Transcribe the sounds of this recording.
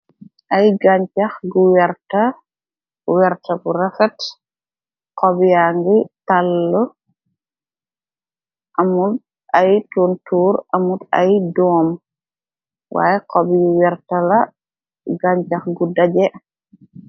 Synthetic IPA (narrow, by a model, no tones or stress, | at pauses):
ʔɐjɡaɲt͡ʃɐxɡuwɛɾtɐ | wɛɾtɐɡuɾɛfɛt | kɔbijaŋɡitalːɔ | ʔɐmud | ɐjtuntuːɾɐmudɐ̰jdɔːm | wa̰ːjɛqɔbjuwɛɾtɐlɐ | ɡaɲt͡ʃɐxɡudɐɟɛ